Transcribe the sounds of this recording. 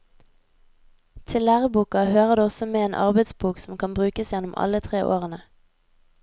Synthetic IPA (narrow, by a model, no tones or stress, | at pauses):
t̪ʰɪlæːʁəbuːkɑhøːʁəd̪ʉːɔsɔmeːeːnʔɑ̰ʁbɛɪd̪sbuːksɔm̩kʰɑnbʁʉːkəsjɛnʊmɑ̰lət̪ʰʁeːʔo̰ːʁənə